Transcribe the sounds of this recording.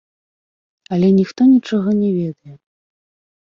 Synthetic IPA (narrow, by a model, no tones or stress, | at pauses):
ɐlʲɛnʲixt̪ɔnʲit͡ʂɔɣɐnʲɛvʲɛd̪ɐjɛ